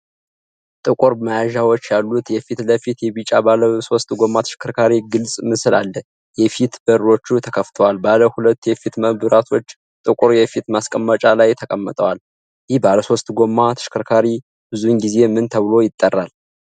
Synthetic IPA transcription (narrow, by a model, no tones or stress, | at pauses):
t̪ʼɨkʼuɾməjaʒawot͡ʃːjalːut̪jɛfit̪ləfit̪jɛβit͡ʃʼabaləso̞st̪ʼɡo̞mːat̪ʰɨʃɪ̥kʰɨɾkʰaɾiɡɨlsʼmɨsɨlalːə | jɛfit̪bəɾo̞t͡ʃːut̪ʰəkʰəft̪ʰəwalbaləhulət̪ːujɛfit̪məbɨɾat̪ʰo̞t͡ʃː | t̪ʼɨkʼʊɾjɛfit̪maskʼəmːət͡ʃʼalajt̪ʰəkʼəmːət̪ʼəwal | jɪhbaləso̞st̪ʼɡomːat̪ʰɨ̥ʃkʰɨɾkʰaɾi | bɨzunɡize̞mɨnt̪ʰəβɨlo̞jɪt̪ʼːərːal